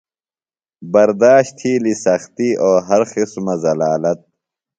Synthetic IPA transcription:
bɐɾd̪aːɕt̪ʰiːlisɐxt̪iːoːɦɐɾxismɐzɐlaːlɐt̪̚

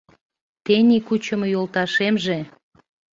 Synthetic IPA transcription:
t̪enʲikut͡ɕə̆mjolt̪ɑʃemʒe

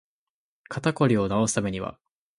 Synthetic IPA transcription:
kʰat̪ako̞ɾʲio̞nao̞sɨ̥t̪ame̞ɲ̟iβa̰

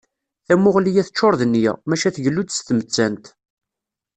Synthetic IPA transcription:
θæmʊʁlijæθət͡ʃːoɾˤðənːjæ̰mæʃæθʝəlːud̪st̪mət͡sːænt̪

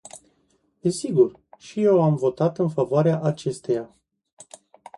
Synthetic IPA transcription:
d̪esiɡur | ʃije̞wamvo̞t̪at̪ɨnfavoaɾeaʔat͡ʃe̞st̪e̞ja

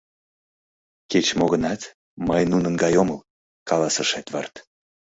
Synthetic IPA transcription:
ket͡ɕmoɣənɑt̪ | məjnunənɡɑjoməl | kɑlɑsəʃet̪vərt̪

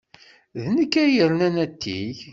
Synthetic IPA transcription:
ðnəkːæjəɾnænæt̪ʰːḭ

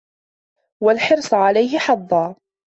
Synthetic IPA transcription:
walħɪɾsˤʕalajɦɪħɑðˤːɑː

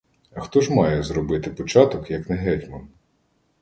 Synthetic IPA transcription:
ɐxt̪ɔʒmɑjɛzɾɔbɪt̪ɪpɔt͡ʃɑt̪ɔkjɐknɛɦɛtʲmɐn

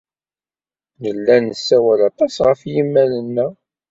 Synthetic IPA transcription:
nəlːænəsːæwælɑt̪ˤɑsʁəfjimːælənːæ

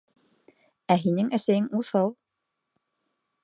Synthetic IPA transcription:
æɦinɘŋæsæjɘŋuθɤlˠ

